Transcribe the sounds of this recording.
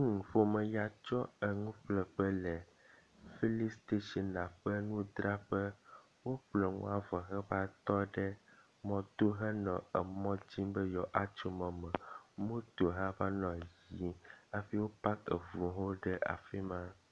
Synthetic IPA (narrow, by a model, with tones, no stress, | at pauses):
ŋ̩˨fo˨mɛ̃˨ja˨t͡ʃɔ˦ə˨ŋũ˦ɸlɛ˨ɸə˦lɛ˨ | fi˦li˦st̪e˦ʃi˦nnã˨ɸə˦nũ˦d̪ɾa˦ɸə˦ | wo˦ɸlɛ˨ŋṵ̃˦a˨vɔ˨ɦɛ˦ba˦t̪ɔ˦ɖɛ˦ | mɔ̃˦t̪o˦ɦə˦nɔ̃˨ɛ˨mɔ̃˦d͡ʑi˦mbə˦jɔ˨ʔa˦t͡ʃu˨mɔ̃˨mɛ̃˨mõ˦t̪o˨ɦa˦va˦nɔ̃˨ji˨a˨fi˦wo˦pa˦kḛ˨vu˨ɦo˦ɖɛ˦ʔa̰˨fi˦mã˦